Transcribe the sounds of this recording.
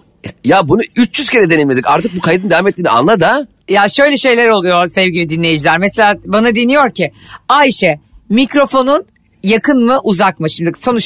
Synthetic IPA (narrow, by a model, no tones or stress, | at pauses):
jabunuyt͡ʃd͡ʒyz̥cʰeɾɛd̪e̞nilʲmeikaɾt̪ʰɯk̚bukʰajd̪ɯnd̪eameɛt̪lʲːiːnḭa̰nlˠad̪a | jaʃø̞jlʲɛʃe̞jlʲæɾo̞lˠujoɾsɛvɟilʲid̪inlʲe̞jid͡ʒilʲæɾmeselʲaːbanad̪inijo̞ɾcʰiajʃɛmicɾo̞fo̞nun | jakʰɯnmɯʔuzakmɯʃimd̪iso̞nut͡ʃ